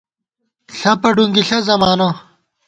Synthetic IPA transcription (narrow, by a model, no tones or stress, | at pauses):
ɬɐpɐɖuŋɡiɬɐzɐmaːno